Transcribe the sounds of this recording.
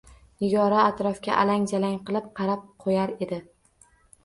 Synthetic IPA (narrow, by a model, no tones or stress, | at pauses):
ɪɡɒɾaːt̪ɾɒfkʲa̰ʔalaŋd͡ʒ̪alaŋqɨlˠɪp̚qʰɑɾap̚qʰojaɾe̞d̪ɪ